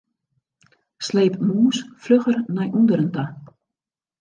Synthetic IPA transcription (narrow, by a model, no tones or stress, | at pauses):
sleːpmuːsfløxərnɛjʔundəɾənta